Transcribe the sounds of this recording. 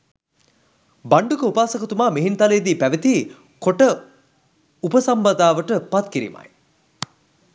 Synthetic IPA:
baɳɖukəupaːsɐkət̪umaːmiɦint̪alejd̪iːpæʋet̪iː | koʈə | upəsambɐd̪aːʋəʈəpat̪kiɾḭːma̰j

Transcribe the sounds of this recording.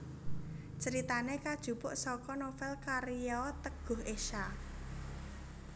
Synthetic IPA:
t͡ʃəɾit̪anekad̥ʒ̥ṳpʊʔsɔkɔnofɛlkaɾiɔt̪əɡ̥ʊ̤ɦʔeʃa

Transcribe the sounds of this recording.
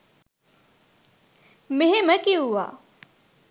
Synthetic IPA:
meɦeməkiɦuʋa̰ː

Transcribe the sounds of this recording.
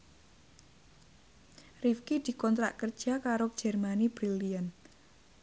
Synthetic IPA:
rifkid̪̥i̤kɔnt̪ɾa̰ʔkərd̥ʒ̥a̤kaɾo̥ʒ̥ɛrmanib̥ɾilian

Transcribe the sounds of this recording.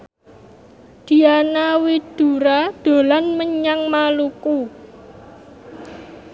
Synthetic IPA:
d̪̥i̤anawid̪̥ṳɾad̪̥o̤lanməɲaŋmaluku

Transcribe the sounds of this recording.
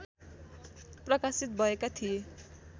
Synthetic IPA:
prʌkasit̪̚bʱʌekat̪ʰije

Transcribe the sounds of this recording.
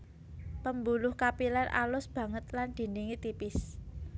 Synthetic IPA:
pəmbulʊhkapilanʔa̰lʊsb̥ä̤ŋət̪land̪̥i̤niŋit̪ipɪs

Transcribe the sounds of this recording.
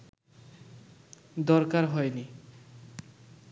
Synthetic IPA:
d̪ɔɾkaɾɦɔjni

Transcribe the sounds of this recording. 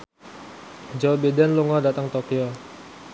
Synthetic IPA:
d͡ʒowbidɛnluŋɔdat̪əŋt̪okio

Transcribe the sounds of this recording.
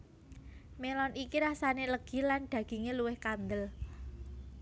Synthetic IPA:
melɔnʔikiɾasaneləɡ̥i̤lanɖ̪̥ä̤ɡ̥i̤ŋeluwɪhkand̪əl

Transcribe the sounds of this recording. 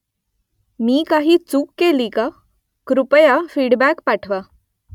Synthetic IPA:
miːkaɦiːt͡sukːelika | kɾupəjafiːɽbækpaʈʰʋa

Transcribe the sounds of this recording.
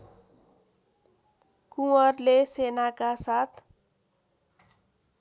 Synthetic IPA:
kuwʌrlesenakasat̪ʰ

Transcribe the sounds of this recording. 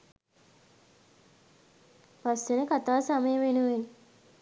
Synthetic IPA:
pasenəkat̪aːsaməjəʋenuʋeɲ

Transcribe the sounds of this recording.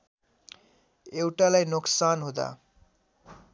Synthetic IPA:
ewʈalajnoksanɦod̪a̰

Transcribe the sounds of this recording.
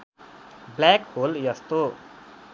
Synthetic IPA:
blakholjʌst̪o

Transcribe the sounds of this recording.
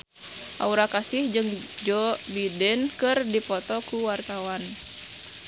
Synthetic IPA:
ʔa̰uɾakasɪhd͡ʒɨŋd͡ʒɔbidɛnkɨrdipɔt̪ɔkuwart̪awan

